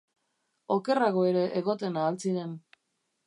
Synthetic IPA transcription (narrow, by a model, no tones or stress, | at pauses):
o̞ke̞raɣ̞oe̞ɾe̞ʔeɣo̞t̪e̞naːlt͡siɾe̞n